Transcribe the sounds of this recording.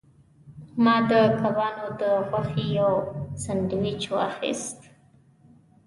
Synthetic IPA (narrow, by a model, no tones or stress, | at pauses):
mɑd̪əkabɑnod̪əɣwaxejawsanɖ̪wit͡ʃoa̰xḭst̪